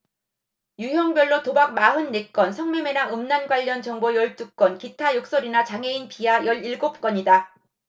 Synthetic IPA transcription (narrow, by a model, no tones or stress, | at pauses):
juɦjʌŋbjʌɭːotobak̚maɦɯnːek͈ʌnsʰʌŋmjeme̞naŋɯmnanɡwaʎːʌnt͡ɕʌŋbojʌɭt͈uk̚k͈wʌnkitʰajok̚s͈ʌɾinat͡ɕaŋe̞inpʰiajʌɭiɭɡop̚k͈ʌɲida